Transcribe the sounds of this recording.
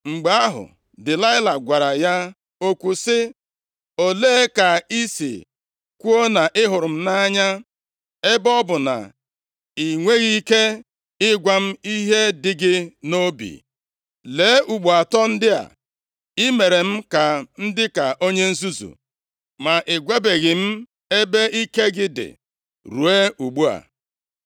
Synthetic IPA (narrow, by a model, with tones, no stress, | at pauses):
ŋ͡m̩˨ɡ͡ba˨a˦ɦʊ̰˨ | dɪ˨la˦ɪ˦la˨ɡʷa˨ɾa˨ja˦ | o˦kʷu˨sɪ˦ | o˨leː˦ka˨i˦sḭ˨ | kʷu˦o˦na˨ʔɪ˦ɦʊ˨ɾʊ˨m̩˦na˦ɲa˦ | e˦bɔ˦bʊ˨na̰˨ | i˨ŋʷe˦ɣi˦ke˦ | ɪ˦ɡʷa˦m̩˦i˦ɦe˦dɪ˦ɡɪ˦no˦bḭ˨ | le˨˦ʔu˨ɡ͡bu˨a˨tɔ˦n̩˦dɪ˦a̰˨ | ɪ˦me˨ɾe˨m̩˦ka˨n̩˦dɪ˦ka˨ʔo˦ɲe˦n̩˦zu˦zṵ˨ | ma˨ʔɪ˨ɡʷe˦be˨ɣɪ˨m̩˦ | e˦be˦i˦ke˦ɡɪ˦dɪ̰˨ | ɾu˨e˦u˨ɡ͡bu˦a̰˨